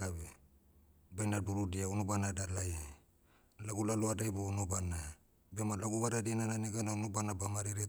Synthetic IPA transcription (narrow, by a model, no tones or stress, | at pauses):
abe | banaduɾudiaunobanadalaje | laɡulaloadajbonobana | bemalaɡuβadadinananeɡanaunobanabamaɾiɾe